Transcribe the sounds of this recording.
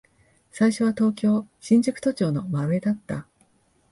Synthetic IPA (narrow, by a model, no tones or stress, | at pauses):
saiɕo̞β̞at̪o̞ːkʲo̞ːɕĩɲ̟d͡ʑɨkɯ̟̥t̪o̞t͡ɕo̞ːno̞maɾɯ̟ed̪at̪ːa̰